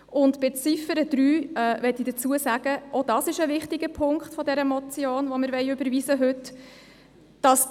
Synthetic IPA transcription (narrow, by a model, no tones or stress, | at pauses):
ʊntb̥ɪt͡sifəɾəd̥ɾyːɛːʋɛtːidət͡suːəsæɡ̥əʔɔd̥ɑsɪʃəʋɪχtɪɡ̥əpʰʊŋkχtfɔdɛɾəmɔt͡sjoːnʋɔmɪɾʋɛɪʉbəɾvizəɦɵt | d̥ɑs